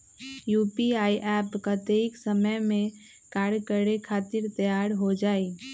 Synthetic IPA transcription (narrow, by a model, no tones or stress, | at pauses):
juːpiaːiʔɛːpkat̪eɪksəməjmẽ | kaːɽkəɾekʰaːt̪ɪɾt̪əjaːɾɦod͡ʒaːi